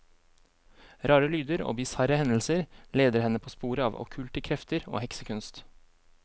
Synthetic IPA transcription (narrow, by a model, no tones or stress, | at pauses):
ɾɑːɾəlyːd̪əɾo̰ːbɪsɑɾəhɛnl̩səɾleːd̪əɾhɛnəpʰoːspuːɾəɑːʋɔ̰kʰʉːlt̪əkʰɾɛft̪əɾo̰ːhɛksəkʰʉnst̪